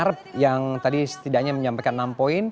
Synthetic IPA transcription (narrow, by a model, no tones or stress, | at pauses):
aɾəp̚jaŋt̪adisə̥t̪idaʔɲaməɲampajkanːampoin